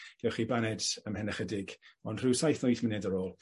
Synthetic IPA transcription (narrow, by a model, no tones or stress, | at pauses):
ɡ̥ɛwχiːbanɛdəmhɛnɛχədɪɡɔnd̥r̥ɨwsajθnɔjθmɪnɛdəɾoːlˠ